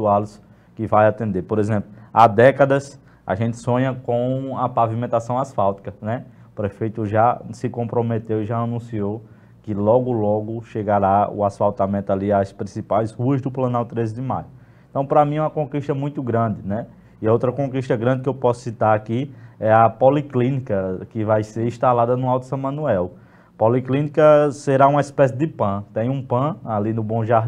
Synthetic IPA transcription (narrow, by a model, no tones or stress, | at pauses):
ualʊs | kɪvajat̪ẽnd̪epoɾezẽmplʊa̰d̪ɛkɐd̪ɐs | a̰ʒẽnt̪ɪ̥sõɲɐkõɐpavimẽnt̪asɐ̃w̃asfawt̪i̥kɐnɛupɾefejt̪ʊʒasɪkõpɾomet̪ewɪʒaanũsiow | kɪlɔɡʊlɔɡʊʃeɡaɾaʊ̰asfawt̪amẽnt̪ʊaliaspɾĩsipajzhuɐzd̪ʊplɐ̃nawt̪ɾezɪd̪ɪmajʊ | ẽt̪ɐ̃w̃pɾɐmĩɛũmɐkõkiʃt̪ɐmũj̃t̪ʊɡɾɐ̃d̪ɪnɛ | iowt̪ɾɐkõkiʃt̪ɐɡɾɐ̃d̪ɪkɪewpɔsʊ̥sit̪aɾakiɛɐpoliklĩnikɐkɪvajseɾĩʃt̪alad̪ɐnʊawt̪u̥sɐ̃w̃mɐ̃nuɛw | poliklĩnikɐseɾaũmɐispɛsɪd̪ɪpɐ̃t̪ẽj̃ũpɐ̃alinʊbõʒaɦ̪